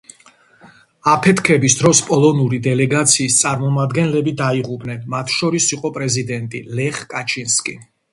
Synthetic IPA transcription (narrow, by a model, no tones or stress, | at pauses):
apʰɛt̪ʰkʰɛbisd̪ɾɔspʼɔlˠɔnuɾid̪ɛlɛɡat̪sʰiːst̪sʼaɾmɔmad̪ɡɛnlɛbid̪aiʁupʼnɛnmat̪ʰʃɔɾisiqʼɔpʼɾɛzid̪ɛnt̪ʼḭlɛχkʼat͡ʃʰinskʼḭ